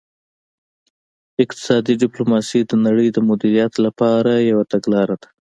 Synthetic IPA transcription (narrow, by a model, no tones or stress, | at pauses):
ɪq̚t̪ɪ̥sɑd̪iɖɪplomɑsid̪ənaɽəjd̪əmʊd̪iɾijat̪lapɑɾajawat̪aɡlɑɾad̪̥ḁ